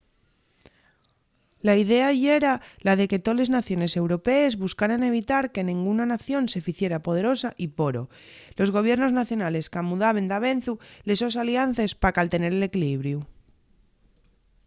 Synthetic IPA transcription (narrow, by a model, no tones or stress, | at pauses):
laiðe̞aʝeɾalaðe̞ke̞t̪o̞le̞znaθjo̞ne̞se̞wɾo̞pe̞ːzβuskaɾane̞β̞it̪aɾke̞nĩŋɡunanaθjo̞nse̞fiθje̞ɾapo̞ð̞e̞ɾo̞saʔipo̞ɾo̞ | lo̞zɣ̞o̞β̞je̞ɾno̞znaθjo̞nale̞skamuðaβ̞e̞nd̪aβ̞e̞n̟θule̞sos̬aljan̟θe̞spakalt̪e̞ne̞ɾele̞kiliβɾju